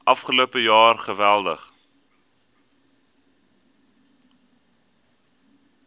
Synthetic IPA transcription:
ʔɐfχəloəpəjɑːrχəvælˠdəχ

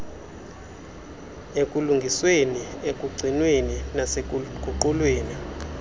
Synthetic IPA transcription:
ekʼuluŋɡʱisweniekʼuɡ͡ǀʱinweninaseukʼuǃulweːni

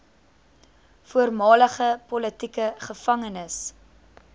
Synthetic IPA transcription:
fuərmɑːləχəpɔlətikəχəfɐŋənəs

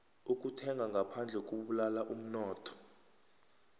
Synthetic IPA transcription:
uk̬ʼutʰɛŋɡʱaŋɡʱapʰand͡ɮʱɛk̬ʼuɓulalaʔum̩nɔːtʰɔ̥

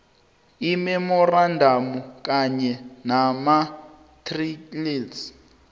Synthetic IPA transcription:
imɛmɔrandʱamuk̬ʼaɲɛnama | tʰriliːs

